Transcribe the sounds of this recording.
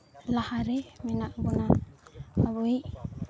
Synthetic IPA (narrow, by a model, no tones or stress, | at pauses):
lahaɾɛmɛnaʔbɔnaː | βɯj